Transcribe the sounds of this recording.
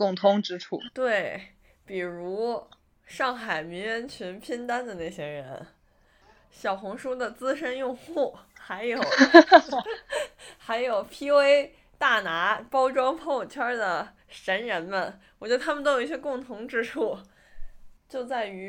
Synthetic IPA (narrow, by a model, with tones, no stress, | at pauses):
kʊ˥˩ŋt̪ʰʊ˧˥ŋʈ͡ʂɻ̩˥ʈ͡ʂʰu˥˩t̪we˥˩ɪ | pi˨˩ɻu˧˥ | ʂɑ˥˩ŋxa˨˩ɪmi˧˥nɻɥɛ˧˥nt͡ɕʰy˧˥npʰi˥nt̪a˥nd̪ə˨na˥˩ɪɕjɛ˥ɻə̰˧˥n | ɕjɑ˨˩ʊxʊ˧˥ŋʂu˥d̪ə˨t͡sɹ̩˥ʂə˥njʊ˥˧ŋxu˥˩xa˧˥ɪjo˨˩˦ | xa˧˥ɪjo˨˩ʊpʰi˥we˥ɪ | t̪a˥˩na˧˥pɑ˥ʊʈ͡ʂwɑ˥ŋpʰo˥˩ʊt͡ɕʰjɑ˥d̪ə˨ | ʂə˧˥nɻə˧˥nmə˧nwɔ˨˩t͡ɕj̪t̪ʰa˥mə˨t̪o˥jo˨˩i˥ɕjɛ˥kʊ˥˩ŋt̪ʰʊ˧˥ŋʈ͡ʂɻ̩˥ʈ͡ʂʰu˥˩ | t͡ɕjo˥˧ʊt͡sa˥˩ɪy˧˥